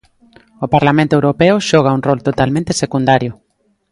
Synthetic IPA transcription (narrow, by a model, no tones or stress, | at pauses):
opaɾlamẽnt̪oewɾopɛʊʃɔɣ̞auŋrɔlt̪ot̪almẽnt̪esekund̪aɾjʊ